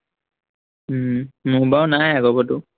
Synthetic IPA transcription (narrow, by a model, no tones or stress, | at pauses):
mʊbawnajaɡɔbɔtʊ